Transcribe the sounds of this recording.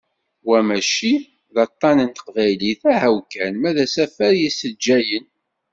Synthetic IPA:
wæmæʃi | ðɑt̪ˤːɑnənt̪ə̥qvæjliθæhæwkænmæðæsæfæɾjisəd͡ʒːæjən

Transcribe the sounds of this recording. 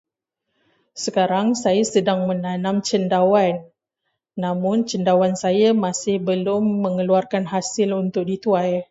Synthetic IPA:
səkaɾaŋsajasədaŋmənanãmt͡ʃəndawanː | amʊnt͡ʃəndawansajamasɪhbəlʊmːəŋəluarkanɦasɪlunt̪ʊk̚dit̪uaj

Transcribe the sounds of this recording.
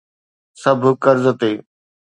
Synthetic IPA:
səbʱkəɾzət̪eː

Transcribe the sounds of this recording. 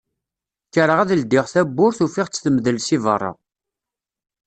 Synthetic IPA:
kːəɾəʁæðld̪ːɪʁθæbːʊɾθufɪʁt͡sːθəmðəlsivə̰rˤːɑ̰

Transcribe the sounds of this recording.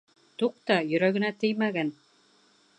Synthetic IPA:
t̪uq̚t̪ɑjɵ̆ɾæɡɘ̆næt̪ɘ̆jmæɡæn

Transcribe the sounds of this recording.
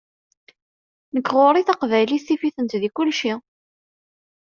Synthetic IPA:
nəkːʁoɾˤiθɑqvæjlisifiθənt̪ðikʊlʃi

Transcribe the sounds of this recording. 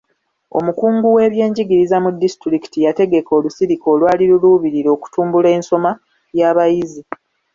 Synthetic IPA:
o̞̰mukuːŋɡuwe̞ːβje̞ːɲɟiɡiɾizamudːisi̥tɾiki̥tijate̞ɡe̞ko̞ːlusiɾiko̞ːlwaːliɾuluβiɾiɾo̞ːku̥tuːmbule̞ːnso̞ma | jaːβajizi

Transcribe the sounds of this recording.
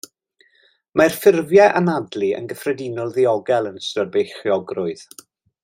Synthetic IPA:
marfɪrvjɛʔanadlˠiə̰nɡəfrɛdɪnɔlˠðiɔɡɛlˠənstərbejχjɔɡrʊɨð̥

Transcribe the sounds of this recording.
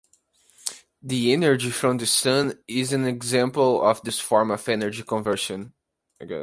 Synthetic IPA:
d̪iɛnə˞d͡ʒifɾɔ̃md̪ɨsʌ̃nɪzɨ̃nɛɡzɛ̃mpəl̩ˠɔ̰vd̪ɪsfɔɹməfɛnə˞d͡ʒikɔ̃nvɜ˞ʃɨ̃n | ɡɛ̰

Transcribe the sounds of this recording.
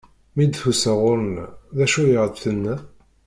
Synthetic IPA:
mid̪θusəʁʊɾənðæʃujiʁd̪θənːæ

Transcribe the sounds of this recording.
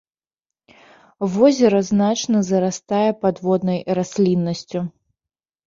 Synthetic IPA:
vɔzʲɛɾɐznat͡ʂnɐzɐɾast̪ajɛpad̪vɔd̪nɐjrasʲlʲinːɐsʲt͡sʲu

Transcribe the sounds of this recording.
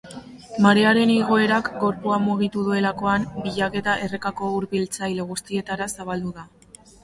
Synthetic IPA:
maɾe̞aɾe̞niɣ̞o̞e̞ɾakɡo̞ɾpuamuɣ̞it̪uðue̞lako̞ambiʎake̞t̪aʔe̞rekako̞uɾβilt͡sajle̞ɣ̞ust̪ie̞t̪aɾasaβald̪uða

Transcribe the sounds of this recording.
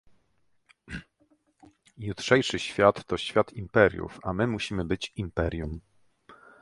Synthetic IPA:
jut̪ʂɛjʂɘɕfʲjat̪ːɔɕfʲjat̪impɛɾʲjṵfamɘmuɕimɘbɘt͡ɕimpɛɾʲjum

